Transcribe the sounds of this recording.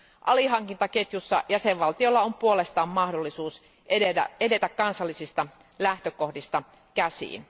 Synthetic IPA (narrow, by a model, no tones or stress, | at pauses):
ʔɑliɦɑŋkint̪ɑket̪jusːɑ̰jæseʋʋɑlt̪io̞lːɑompuole̞st̪ɑːmːmɑhdolːisuːs | æ̰ede̞t̪ækkɑnsɑlːisist̪ɑ | læht̪øko̞hdist̪ɑ | kæsḭːn